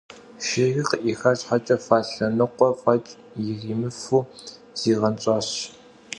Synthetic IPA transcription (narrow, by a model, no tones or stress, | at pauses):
ʃeːɣiqʔiːxɐɕħat͡ʃʼɐfaːɬɐnɨqʷɔfɐt͡ʃʼ | jɪɣiːmɨfuː | z̥iːʁɐnt͡ʃʼɑːɕ